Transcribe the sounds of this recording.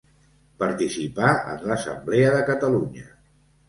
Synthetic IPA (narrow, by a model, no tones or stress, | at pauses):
pəɾt̪isipaə̰nləsə̰mbleəðəkət̪əluɲə